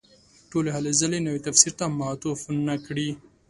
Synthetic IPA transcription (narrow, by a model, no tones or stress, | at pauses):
ʈoleɦalezalenawet̪afsiɾt̪amaɑt̪ofnnakɽi